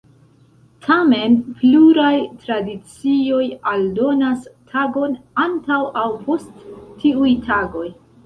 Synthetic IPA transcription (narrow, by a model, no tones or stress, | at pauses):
tʰame̞npluɾajtɾadit͡sio̞jaldo̞nastʰaɡo̞nantawʔawpʰo̞stːʰiujtʰaɡo̞j